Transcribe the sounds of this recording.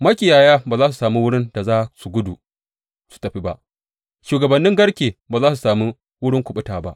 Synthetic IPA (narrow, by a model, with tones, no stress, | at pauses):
mɐ˦kʲɪ˨jaː˨jaː˦baː˨zaː˦s̬u̥˨saː˨mi˦wʊ˦ɽɪ˦nda˨zaː˦su˨ɡʷʊ˦du˨ | su̥˨tɐ˨ɸi˦ba˦ʔ | ʃuː˨ɡɐ˨bɐ˨nːɪ˦ŋɡɐ˦ɽkʲeː˨baː˨zaː˦su˨saː˨mi˦ | wʊ˦ɽɪ˦ŋkʷʊ˨ɓʊ˦taː˨ba˦ʔ